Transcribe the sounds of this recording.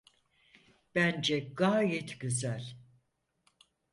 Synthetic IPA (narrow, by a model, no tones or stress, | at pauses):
b̥ænd͡ʒɛɡaːjɛt̪ʰɟyzælʲ